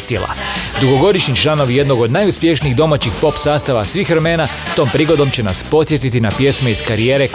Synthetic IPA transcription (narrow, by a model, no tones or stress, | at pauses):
sḛla̰ | d̪uɡo̞ɡo̞d̪iʃɲit͡ʃlˠano̞ʋje̞d̪no̞ɡod̪najuspʲje̞ʃniːɣd̪o̞mat͡ɕixpo̞psaːst̪aʋasʋiːxɾeme̞ːna | t̪o̞ːmpɾiːɡo̞d̪o̞mt͡ɕe̞na̰spo̞t̪sʲje̞t̪it̪inapje̞smeizkaɾieːɾe̞